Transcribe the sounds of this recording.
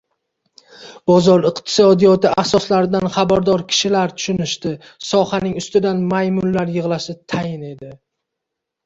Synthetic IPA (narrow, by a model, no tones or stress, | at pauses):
b̥ɒzɒɾɨqt̪ʰɪ̥sɒd̪ijɒt̪ɪasɒslaɾɪd̪anχabaɾd̪ɒɾkʲʰɪ̥ʃɪlaɾt̪ʰʊ̥ʃʊnɪʃt̪ɪ | sɒhanɪŋʊst̪ɪd̪anmajmʊnlaɾjɨʁlˠaʃɪt̪ʰajɪne̞d̪ɪ